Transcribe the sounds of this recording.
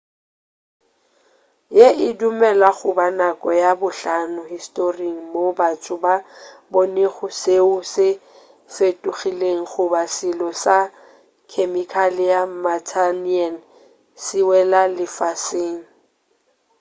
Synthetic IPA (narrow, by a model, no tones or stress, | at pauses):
jeʔɪdumɛlaχʊbanakʼɔjabʊɬanʊhistʼoriŋ̩mobat͡sʼʊbaboneχʊseʊsɪ | fetʼuχileŋ̩χʊbasɪlɔsa | kʰemikʰalɪjamatʰanian | sɪwɛlalɪfasɪːŋ̩